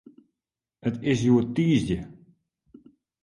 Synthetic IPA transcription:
ətɪs̬juətiːsd͡ʒə

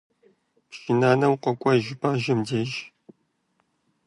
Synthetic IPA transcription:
pʃinaːnɐwqʷɔkʷʼɐʒɪpʰaːʒɐmdeːʒ

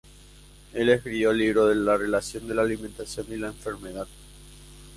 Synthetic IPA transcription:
e̞lehkɾiβjoliβɾo̞ðelare̞lasjo̞nd̪e̞laːliment̪asjo̞nilaeɱfe̞ɾme̞ð̞að

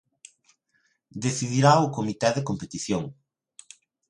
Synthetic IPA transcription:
d̪eθiðiɾaʊkomit̪ɛðekompet̪iθjoŋ

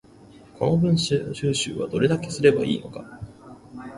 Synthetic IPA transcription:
kʰo̞̰no̞bɯ̟̃ɰ̃ɕɕɨːɕɨ̰ːβa̰d̪o̞ɾe̞d̪ake̞sɨɾe̞baḭːno̞ka

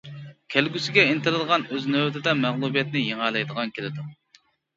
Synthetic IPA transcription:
kʲʰælɡʲysɪɡʲɛint̪ɪɾɨd̪əʁɑnøznøwt̪ʰɪd̪ɛmæʁlˠubijɛt̪nɪjeŋɑlˠɑjd̪əʁɑnkʲelɪd̪u

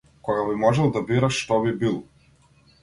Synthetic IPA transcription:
kɔɡabimɔʒɛlˠd̪abiɾaʃːt̪ɔβibilˠ

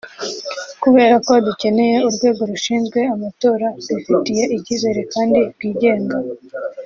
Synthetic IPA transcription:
kuβe̞ːɾako̞duce̞ne̞je̞uɾɡwe̞ːɡo̞ɾuʃiːnzɡwe̞amato̞ːɾadufitije̞ʔicize̞ɾekaːndiɾɡiːɟe̞ːŋɡa

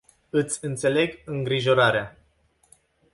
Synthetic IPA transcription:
ɨt̪sʲɨnt̪se̞le̞ɡɨŋɡɾiʒo̞ɾaɾea

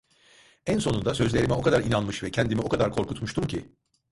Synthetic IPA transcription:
ænso̞nund̪asø̞zlʲe̞ɾimɛo̞kʰad̪aɾinanmɯʃvɛcʰɛnd̪imio̞kad̪aɾkʰo̞ɾkut̪muʃt̪umcʰḭ

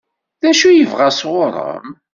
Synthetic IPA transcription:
ðæʃujəvʁasʁʊɾˤə̰m

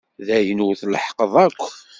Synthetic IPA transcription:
ðæjənuwθləħqəðˤækʷː

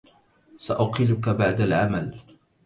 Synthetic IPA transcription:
saʔʊqɪlʊkabaʕd̪alʕamal

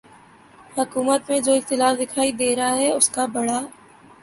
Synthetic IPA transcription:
hʊkuːmət̪mẽd͡ʒoːɪxt̪ɪlaːfd̪ɪkʰaːid̪eːɾɐɦaɦɛʊskabɐɽaː

